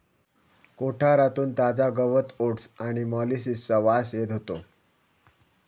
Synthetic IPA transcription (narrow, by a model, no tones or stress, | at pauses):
koʈʰaɾat̪uːnt̪ad͡zaɡəʋət̪oʈsaɽ̃imɔlisist͡səʋasjet̪ɦot̪o